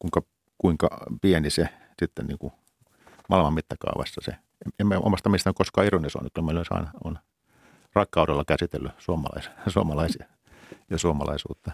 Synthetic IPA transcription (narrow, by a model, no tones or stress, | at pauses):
kuiŋkɑ | kuiŋkɑ̰piɛnise | sit̪ːennḭːŋku | mɑlmɑmmit̪ːækɑ̰uʋɑ̰sːɑsḛ | eemːæʔo̰mɑst̪ɑmiest̪ænykoskɑːironːiso̰ːnykylæmeiloˑisɑ̰inɑo̰n | rɑkːɑuɾelːɑkæsit̪elːysuomɑ̰lɑ̰issuomɑlɑisjɑ | jɑsuomɑlɑisṵːt̪ːɑ